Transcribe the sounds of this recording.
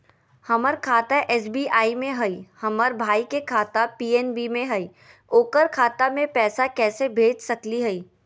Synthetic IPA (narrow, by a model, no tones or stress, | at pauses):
hɐməɾkʰaːt̪aʔɛːs̬biːʔaːimẽɦɐihɐməɾbʱaːikekʰaːt̪apiːɛːnbimẽɦɐi | oːkəɾkʰaːt̪amẽpɛːsakɛːsebʱeːd͡ʒsɐkliɦɐiː